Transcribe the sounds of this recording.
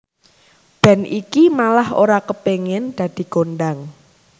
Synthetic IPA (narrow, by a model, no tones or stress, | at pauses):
b̥ɛ̤nʔikimalaho̰ɾakəpeŋɪnd̪̥a̤d̪̥i̤ɡonɖaŋ